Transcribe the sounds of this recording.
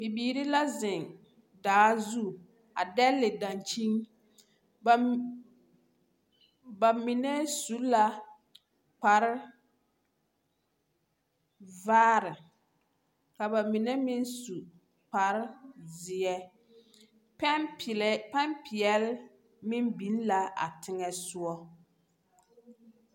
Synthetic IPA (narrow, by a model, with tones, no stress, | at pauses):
bi˨biː˨ɾi˦la˦zɪ˨ŋ | daː˨˦zu˦ | a̰˨dɛ˦lːɪ˨dã˨nt͡ʃi˦ŋ˨ | ba˨mɪ˨nɛ˦su˦la˦ | k͡pa˨ɾɪ˦ | vaː˦ɾɪ˨ | ka˨ba˨mi˨nɛ˦mɪ˦nsu˨ | k͡pa˨ɾɪ˦zɪ˨jɛ˦ | ppa˦mpɪ˨jɛ˦l | mɪ˦mbi˨n˦la˨a̰˨tɪ˦ŋɛ˦sʊ˦ɔ˦